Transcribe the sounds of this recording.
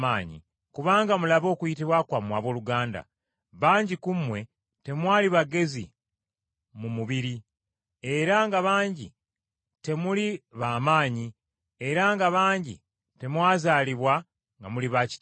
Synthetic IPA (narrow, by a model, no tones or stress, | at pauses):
aːɲḭ | kuβaːŋɡamulaβo̞ːkuitiβwakwamwaːβwo̞ːluɡaːnda̰ | βaːɲɟikumwe̞ | te̞mwaːliβaɡe̞zḭ | mumuβiɾi | e̞ɾaŋɡaβaːɲɟḭ | te̞muliβaːmaːɲi | e̞ɾaŋɡaβaːɲɟḭ | te̞mwaːzaːliβwa | ŋɡamuliβaci̥t